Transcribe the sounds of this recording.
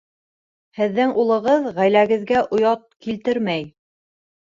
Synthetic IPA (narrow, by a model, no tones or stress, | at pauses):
hɘ̆ðːɘŋulˠɤ̆ʁɤðʁæjlæɡɘ̆ðɡæʔŏjɑt̪̚kilt̪ɘɾmæj